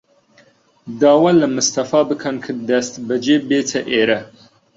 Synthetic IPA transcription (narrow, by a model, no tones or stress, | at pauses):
d̪ɑːwɐlɐmɨst̪ɐfɑːbəkʰɐnkʰɨd̪ɐst̪bɐd͡ʒebeːt͡sʰɐʔeɾɐ